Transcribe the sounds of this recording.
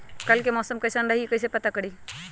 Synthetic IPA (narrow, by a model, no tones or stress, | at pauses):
kəlkemɔːsəmkəjsanɾəɦikəjs̬epət̪akəɽi